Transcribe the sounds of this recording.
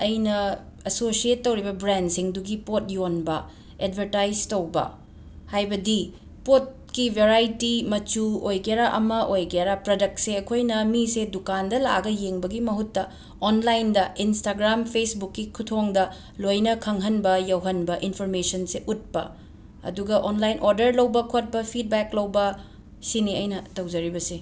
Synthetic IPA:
ɐjnɐ | ɐsosietːɐwɾibɐbɾendsiŋduɡipot̚jonbɐ | ed̚bɐɾtajstɐwbɐ̰ | hajbɐdi | pot̚kibʱeɾajtimɐt͡ʃuojɡaɾaʔɐmɐʔojɡeaɾapɾɐdɐk̚t̚seɐkʰojnɐmisedukandɐla̰ɡɐjeŋbɐɡimɐɦutːɐ | onlajndɐʔinstaɡɾampʰesbukːikʰutʰoŋdɐ | lojnɐkʰɐŋɦɐnbɐjɐwɦɐnbɐʔinpʰoɾmesɐnseʔut̚pɐ̰ | ɐ̰duɡɐʔonlajnʔoɾdɐɾlɐwbɐkʰot̚pɐpʰit̚beklɐwbɐ | siniɐjnɐtɐwd͡ʒɐɾibɐse

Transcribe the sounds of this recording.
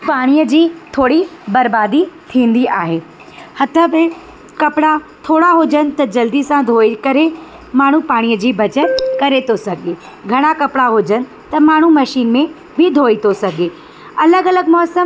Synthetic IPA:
paːɽ̃ijəd͡ʑiːt̪ʰoːɽibɐɾbaːd̪it̪ʰĩːn̆d̪iaːɦeː | hɐt̪ʰəbẽ | kɐpɽat̪ʰoːɽaɦod͡ʑənɪ̆t̪ɐd͡ʑɐld̪isãd̪ʱoːikɐɾe | maːɳ̤ũpaːɽ̃ijəd͡ʑiːbɐt͡ɕəkɐɾet̪ʰosɐɡʱe | ɡʱɐɽ̃akɐpɪɽaɦoːd͡ʑənɪ̆ | t̪ɐmaːɳ̤umɐʃiːnmẽ | bʱɪd̪ʱoːit̪ʰosɐɡʱe | ɐləɡɐləɡ̚mɔːsəm

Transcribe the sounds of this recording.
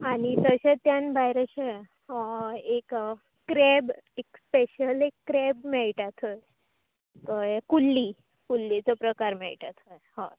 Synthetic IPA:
añit̪əɕet̪janbajɾəɕe | ek | kɾebekspeɕəlekːɾebmɛɭʈat̪ʰoj | kojkulːi | kulːit͡sɔpɾəkaɾmɛ̰ɭʈat̪ʰojhɔ

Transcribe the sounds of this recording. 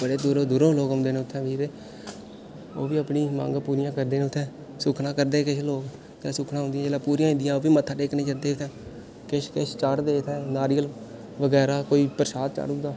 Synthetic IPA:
bəɽeːd̪ʊɾõːd̪ʊɾõːloːkɦʊ̃ːnd̪eːneːʊt̪ʰːɛ̃ːʋiːɾeː | oːʋiːəpniːmã̰ːŋɡpuːɾɪjãːkəɾd̪eːneːʊt̪ʰːɛ̃ː | sʊkʰnãːkəɾd̪eːkɪʃloːk | t̪ɛ̃ːsʊkʰnãːɦʊ̃nd̪ijɛ̃d͡ʒeːlãːpuːɾijãːɪ̃nd̪ɪjãːoːʋiːmət̪ʰːãːʈeːknẽːt͡ʃəɾd̪eːʊt̪ʰɛ̃ː | kɪʃkɪʃt͡ʃaɽd̪eːt̪ʰɛ̃ːnaːɾiːəl | ʋəɡɛːɾaːkoːiːpəɾʃaːd̪t͡ʃa̰ːɽʊ̃nd̪aː

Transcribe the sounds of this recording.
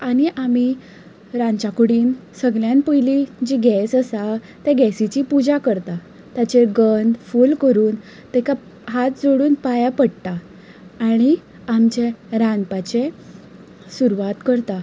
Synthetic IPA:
aɽ̃iʔam̤i | ɾãɲt͡ɕakuɽiːnsəɡljãnpəjlid͡ʑiɡɛsəsa | t̪ɛɡɛsit͡ɕipud͡ʑakəɾt̪a | t̪jat͡ɕeɡənd̪fulkəɾuːn | t̪ɛka | ɦat̪̚d͡zoɽuːnpajapəɽt̪aː | ɽ̃i | amt͡ɕeɾãnpat͡ɕe | suɾʋat̪kəɾt̪a

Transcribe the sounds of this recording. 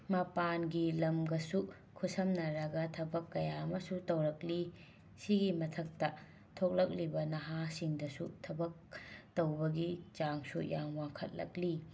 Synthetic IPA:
mapanɡilɐmɡɐsu | kʰusɐmnɐɾɐɡɐtʰɐbɐkːɐjamɐsutɐwɾɐk̚li | siɡimɐtʰɐk̚tɐ | tʰok̚lɐk̚libɐnɐɦasiŋdɐsutʰɐbɐk̚tɐwbɐɡit͡ʃaŋsujaŋwaŋkʰɐt̚lɐ̰k̚li

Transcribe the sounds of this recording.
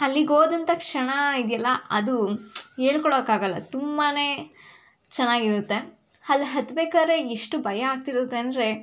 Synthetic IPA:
ɐlːiɡoːd̪ɐnt̪ɐkʂɐɳɐid̪jɐlːɐɐd̪uɦeːɭkɔɭoːkaːɡɐlːɐ̰t̪umbane | t͡ʃɛnːaːɡiɾut̪ːe̞ | hɐlːɦɐt̪ːbeːkaːd̪ɾe̞iʂʈubɐjɐaːɡ̚t̪iɾut̪ːeːnd̪ɾe̞

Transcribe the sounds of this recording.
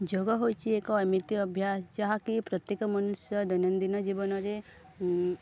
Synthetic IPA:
d͡ʒoɡɔɦojt͡ʃʰiekɔːmit̪iɐbʱjast͡ʃaɦakipɾɐt̪jekɐmɐnusjɐd̪ɐnɐnd̪inɐd͡ʒibɐnɐɾe

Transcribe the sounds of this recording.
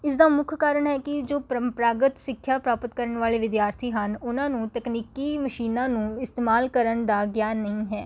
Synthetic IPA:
ɪsd̪aːmʊkʰkaːɾəɳɦɛːkɪd͡ʒoːppɾaːɡət̪sɪkʰːjaːpɾaːpət̪kəɾəɳʋaːleːʋɪd̪jaːɾt̪ʰiːɦənʊnãːnũːt̪ɛkniːkiːməʃiːnãːnũːɪst̪eːmaːlkəɾəɳd̪aːɡjaːnːəɦĩːɦɛː

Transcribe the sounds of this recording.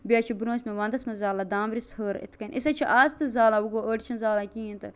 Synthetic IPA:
bijaːt͡ʃʰibuɾõːt͡ʃmeʋɐ̃ːnd̪ɐsmɐzaːlad̪aːmɾishəːɾḭt̪ʰkɐnʲʔisɐt͡ʃʰiʔaːst̪ɨzaːlauɡoːʔəːʈt͡ʃʰɐnzaːlakʲĩːĩnt̪ɨ

